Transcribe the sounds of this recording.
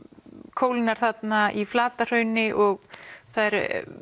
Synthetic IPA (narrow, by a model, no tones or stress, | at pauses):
kʰoːwlɪnaɾ̥θat̪naʔiflaːt̪ar̥œːɥnɪʔɔɣθaðɛɾ